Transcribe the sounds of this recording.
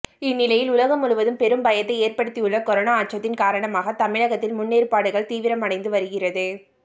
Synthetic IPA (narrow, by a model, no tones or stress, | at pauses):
ɪnːɪlɐjɪlʊlɐɣɐmʊɻʊʋɐðɯmpɛɾɯmbɐjɐt̪ːɐɪeːrpɐɽɯt̪ːijɯɭːɐkɔɾoːnaːʈt͡ʃɐt̪ːɪnkaːɾɐɳɐmaːɣɐt̪ɐmɪɻɐɣɐt̪ːɪlmʊnːeːɾpaːɽɯɣɐɭt̪iːʋɪɾɐmɐɽɐɪnd̪ɯʋɐɾɯɣɪrɐðɯ